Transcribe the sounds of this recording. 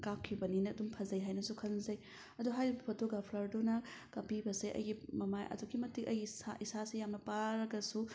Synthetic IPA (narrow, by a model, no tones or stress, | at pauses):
kakʰːibɐninɐɐdumpʰɐzɐjɦajnɐsukʰɐnzɐj | ɐduɦajɾibɐpʰotoɡapʰlɐɾdonɐkɐpibɐseʔɐ̰jɡimɐmajʔɐ̰dukimɐtikɐjɡisa̰isasijamnɐpaɾɐɡɐsu